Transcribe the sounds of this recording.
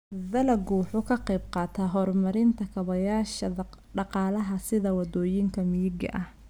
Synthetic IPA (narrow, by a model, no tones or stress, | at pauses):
ðɐlɐɡuːħʊkʰɐqɛjbqɑːt̪ʰɐɦɔrmɐɾɪnt̪ʰɐkʰɐβɐjaːʃɐ | ɖɑqɑːlɐɦɐsɪðɐwɑd̪ɔːjɪŋkʰɐmɪjɪɡɐ̰ʔɐh